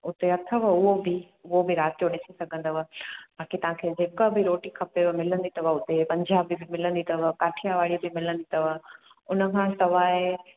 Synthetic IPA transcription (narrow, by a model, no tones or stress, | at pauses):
ʊt̪eɐt̪ʰəʋəʊɦobɪ | ʊɦobɪɾaːt̪ijoɗɪsisɐɡʱə̃nd̪ɐʋəbaːkit̪ɐɦãkʰeːd͡ʑeːkəbɪɾoːʈikʰɐpeʋmɪlə̃nd̪it̪ɐʋɐʊt̪epɐ̃ɲd͡ʑaːbɪbɪmɪlə̃nd̪it̪ɐʋəkaːʈʰijaʋaːɭibɪmɪlə̃nd̪it̪əʋa | ʊnə̆kʰãːsɐʋaːe